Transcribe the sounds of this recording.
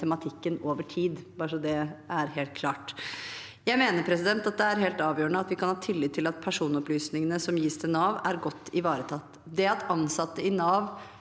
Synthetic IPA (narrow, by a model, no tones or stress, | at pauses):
ɛmɑt̪ʰɪkːənoːʋəʈʰiːd̪bɑːʂɔd̪ɛæɾɦeːlt̪̚kʰlɑːʈ | jæɪmeːnəɾpʰɾɛsɪd̪ɛnt̪ɑt̪̚d̪ɛæɾɦeːlt̪ɑːʋjøːəɳəɑt̪ʋɪkʰɑnhɑːt̪ʰɪlːɪːt̪ʰːɪlɑt̪̚pʰæʂuːnɔplyːsnɪŋənəsɔmjiːst̪ʰɛnɑːʋæɾɡɔt̪ːɪʋɑːɾət̪ʰɑt̪ː | d̪ɛɑt̪ɑnsɑt̪ːəɪnɑːʋ